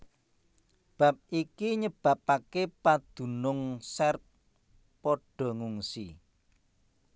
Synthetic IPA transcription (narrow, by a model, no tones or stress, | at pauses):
b̥a̤p̚ikiɲəb̥a̤pakepad̪̥ṳnʊŋsɛrt̚ | pɔɖ̥ɔ̤ŋuŋsḭ